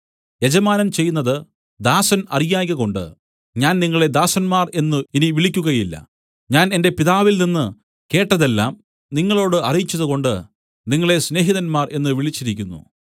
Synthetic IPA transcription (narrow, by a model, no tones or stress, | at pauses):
je̞d͡ʑɐmaːnɐmt͡ɕe̞jːunːɐðɨ | d̪aːsɐnɐ̰rijaːɣɐɣo̞ɳɖɨ̰ | ɲaːnniŋːɐɭe̞d̪aːsɐnmaːre̞nːɨiniʋiɭikʲːuɣɐjilːɐ̰ | ɲaːne̞nde̞piðaːʋilninːɨ | ke̞ːʈːɐðe̞lːaːm | niŋːɐɭo̞ːɽɨʔɐrijit͡ɕːɐðɨɣo̞ɳɖɨ | niŋːɐɭe̞sne̞ːɦiðɐnmaːre̞nːɨʋiɭit͡ɕːiɾik̬ʲːunːṵ